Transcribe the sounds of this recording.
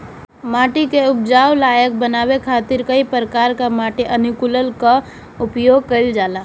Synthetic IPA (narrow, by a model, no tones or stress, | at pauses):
maːʈikeʊp̚d͡ʒaːwlaːjək̚bənaːbekʰat̪ɪɾkəipəɾəkaːɾkamaːʈiʔənukuləlka | ʊpjoːɡ̚kəɪld͡ʒaːla